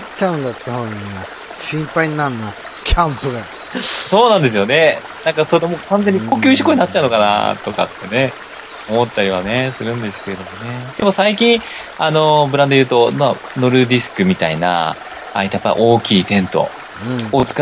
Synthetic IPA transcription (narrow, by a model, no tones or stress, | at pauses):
t͡ɕaɯ̃nd̪at̪ːehoɲia | ɕĩmpaiɲnãnːa | kʲʰãmpɯɡa | so̞ːnãnd̪e̞s̬ɨjo̞ne̞ | nãŋkasonomoːkãnze̞ɲ̟ːikoːkʲɨːɕi̥koɲ̟inat͡ɕːaɯ̟nokana̰t̪o̞ka̰t̪ːe̞ne̞ | omo̞t̪ːaɾʲiβane̞sɨɾɯ̟̃nd̪e̞sɨ̥ke̞d̪o̞mo̞ne̞d̪̥emosaikʲĩɰ̃ | ano̞bɯɾãnd̪o̞jɯ̟ːt̪o̞na | no̞ɾɯ̟d̪ʲisɨ̥kɯ̟mʲit̪aina̰ː | it̪ajapːa̰ḭʔo̞ːkʲiːt̪ẽ̞nt̪õ̞̰ | ot͡sɨ̥ka